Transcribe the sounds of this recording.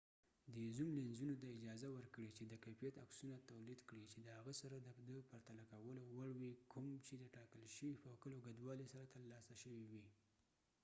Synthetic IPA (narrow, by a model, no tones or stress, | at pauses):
d̪əzumlenzunot̪aɪd͡ʒɑzawəɾkɽet͡ʃed̪əkafijat̪aksunat̪awlid̪kɽit͡ʃed̪əhaɣəsaɾad̪əd̪əpaɾt̪alakawəlowaɽwikʰʊmt͡ʃed̪əʈɑkəlʃəwipəkəloɡad̪wɑlisaɾat̪əlːɑsaʃəwiwi